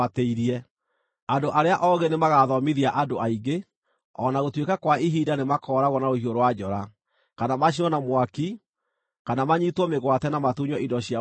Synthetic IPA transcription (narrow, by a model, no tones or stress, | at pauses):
ateiɾiɛ | andoʔaɾeaʔɔɣenemaɣaðɔmiðiaʔadoʔaiɡe | ɔnaɣotwekakwaiɦiːdanemakɔːɾaɣɔnaohioɾowad͡ʒɔɾa | kanamaɕ̬iɔnamwaki | kanamaɲitwɔmeɣwatɛnamatuɲɔidɔɕia